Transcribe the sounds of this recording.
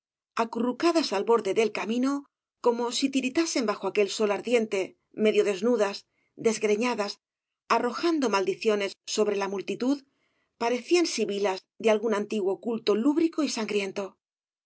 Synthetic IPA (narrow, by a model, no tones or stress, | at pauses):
akurukaðasalβo̞ɾðe̞ðe̞lkamĩno̞ | ko̞mo̞sit̪iɾit̪ase̞mbaxoake̞lso̞laɾðje̞nt̪e̞ | me̞ðjo̞ðe̞znuðas | d̪e̞zɣɾe̞ɲaðas | aro̞xand̪o̞mald̪iθjo̞ne̞sːo̞βɾe̞lamult̪it̪uð | paɾe̞θiansiβilaz | ðealɣunant̪iɣwo̞kult̪o̞luβɾiko̞isaŋɡɾje̞nt̪o̞